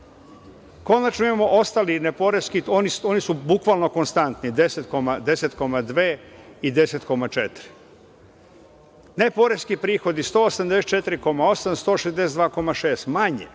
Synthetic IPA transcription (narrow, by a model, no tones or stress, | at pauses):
ko̞nat͡ʃnoimamo̞ʔo̞st̪alinepoɾeskioniso̞nisubukʋalno̞ko̞nst̪ant̪nid̪eset̪ko̞mad̪e̞set̪ko̞mad̪ʋeːid̪e̞set̪ko̞mat͡ʃet̪ɾi̥ | nepo̞ɾeskipɾiːxo̞d̪ist̪o̞ːosamd̪eset̪t͡ʃe̞t̪iɾiko̞mao̞samst̪o̞ːʃezd̪e̞sed̪ʋaːko̞maʃe̞ːst̪maɲḛ